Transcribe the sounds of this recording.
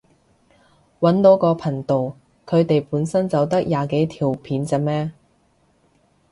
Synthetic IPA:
wɐ˨˥nt̪o˨˥wkɔː˧pʰɐ˨˩ŋt̪o˨w | kʰɵ˨˧ɥt̪e˨jpuː˨˥nsɐ˥nt͡sɐ˨wt̪ɐ˥k̚jaː˨ke˨˥jt̪ʰiː˨˩wpʰiː˨˥nt͡sɛ˨˧mɛː˥

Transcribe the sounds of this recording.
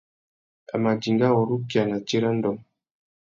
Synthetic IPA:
a̰˨ma˨d͡ʒi˨ŋɡa˦wɔ˨ɾu˦ki˨a˨na˨t͡ʃe˦ɾa˦n˦dɔ˨m

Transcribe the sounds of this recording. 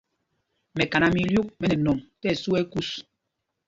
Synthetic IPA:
mɛ˨ka˨na˨mi˨ljo˦k̚mɛ˨nɛ˨nɔ˨mtɛ˦˨su˦ɛ˦ku˦s

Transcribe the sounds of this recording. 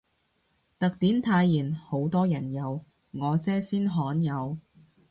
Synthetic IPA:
t̪ɐ˨k̚t̪iː˨˥nt̪ʰaː˧jːiː˨˩nho˨˥wt̪ɔː˥jɐ˨˩njɐ˨˧w | ŋɔː˨˧t͡sɛː˥siː˥nɦɔː˨˥njɐ˨˧w

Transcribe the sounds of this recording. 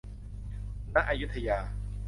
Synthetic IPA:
na˦˥ʔa˧ju˦˥t̪ʰːa˧jaː˧

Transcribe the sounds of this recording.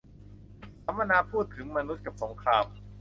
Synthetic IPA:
sʰa˩˦mːpa˧naː˧pʰuː˥˩t̪ʰɯ˩˦ŋma˧nu˦˥t̪̚ka˨˩p̚so˩˦ŋkʰɾaː˧m

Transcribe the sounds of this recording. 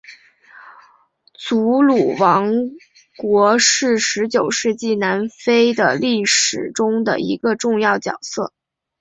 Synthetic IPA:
t͡su˧˥lu˨˩wɑ˧˥ŋ | kwɔ˧˥ʂɻ̩˥˩ʂɻ̩˧˥t͡ɕjo˨˩ʊʂɻ̩˥˧t͡ɕi˥˩na˧˥nfe˥ɪd̪ə̰˨˩li˥˩ʂɻ̩˨˩ʈ͡ʂʊ˥ŋd̪ə̰˨ʔḭ˧˥ɡə˧ʈ͡ʂʊ˥˧ŋjɑ˥˩ʊt͡ɕjɑ̰˨˩ʊsɤ̰˥˩

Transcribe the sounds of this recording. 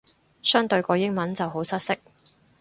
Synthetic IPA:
sœː˥ŋt̪ɵ˧ɥkɔː˧jɪ˥ŋmɐ˨˥nt͡sɐ˨wɦo˨˥wsɐ˥t̚sɪ˥k̚

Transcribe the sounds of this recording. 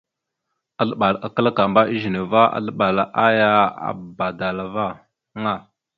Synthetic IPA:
a˨ɬə˦ɓa˨la˨kə˦la˦ka˨mba˦i˦ʒi˨ne˨va˦a̰˦˨ɬə˦ɓa˨la˨ʔa˦ja˦a̰˨ba˨da˨la˨va˦ | ŋa˦˨

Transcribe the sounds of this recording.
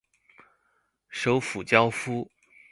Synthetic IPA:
ʂo˧˥ʊfu˨˩t͡ɕjɑ˥ʊfu˥

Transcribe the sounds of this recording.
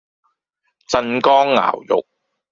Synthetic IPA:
t͡sɐ˧nkɔː˥ŋːa̰ː˨˩wjʊ̰˨k̚

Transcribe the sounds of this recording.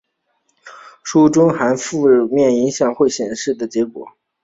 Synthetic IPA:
ʂu˥ʈ͡ʂʊ˥ŋxa˧˥nfu˥˧mjɛ˥˩ni˧˥ŋɕjɑ˥˧ŋxwe˥˩ɪɕjɛ˨˩nʂɻ̩˥˩d̪ə˩t͡ɕjɛ˧˥kwɔ̰˨˩˦

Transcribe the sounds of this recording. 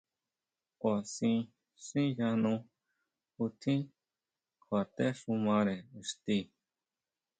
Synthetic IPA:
kʷa˨sĩ˧ | sĩ˦ja˧nũ˧ | u˧t̪ʰĩ˦ | kʰwa˨t̪e˦ʂũ˧mã˧ɾe˨st̪i˧˨

